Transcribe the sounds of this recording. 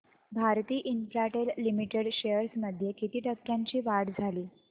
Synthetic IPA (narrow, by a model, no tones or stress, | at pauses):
bʱaɾt̪iːʔinfɾaʈelːimiʈeɽɕejəɾsməd̪ʱjekit̪iːʈəkjaɲt͡ɕiːʋaɽd͡zʱaliː